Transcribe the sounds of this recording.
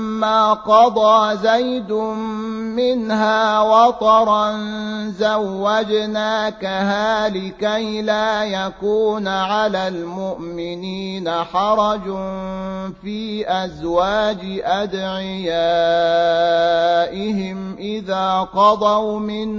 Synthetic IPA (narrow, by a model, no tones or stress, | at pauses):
mːaːqɑd̪ˤɑːzajd̪ʊmɪnhaːwɑt̪ˤɑɾˤɑnzawːad͡ʒnaːkaɦaːlɪkajlaːjakuːnʕalaːlmʊʔmɪniːnaħɑɾˤɑd͡ʒ | fiːʔazwaːd͡ʒɪʔad̪ʕɪjaː | ʔɪɦɪmʔɪðaːqɑd̪ˤɑwmɪn